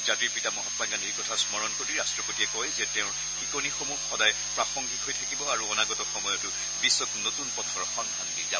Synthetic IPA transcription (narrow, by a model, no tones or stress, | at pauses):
zatiɹpitamɔɦɔtmaŋɡanejkɔtʰasmɔɹɔnkoɹiɹastɹɔkotiɛkɔjzɛteʊ̃ɹ | xikonixomuxɔdaj | pɹaxɔŋɡʱitɦojtʰakibɔaɹuɔnaɡɔtɔxɔmɔjɔtʊ | bisːɔknotunpɔtʰɔɹxɔndʱandiza